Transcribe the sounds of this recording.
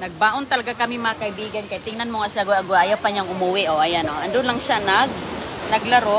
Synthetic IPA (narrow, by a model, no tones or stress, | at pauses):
nɐɡ̚baːʔont̪ɐlɐɡakɐmɪmɐɐkɐʔɪbiːɡɐnkɐjt̪ɪŋnɐnmoŋasaɡoɐɡoʔaːjawpɐɲaŋʔʊmuwɪʔoʔɐjanoʔɐnd̪ʊnlɐŋʃanɐɡ̚nɐɡlɐɾo